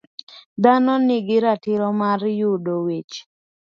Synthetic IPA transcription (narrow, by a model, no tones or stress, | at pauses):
d̪anɔnɪɡɪɾatɪɾɔmarjudowet͡ʃ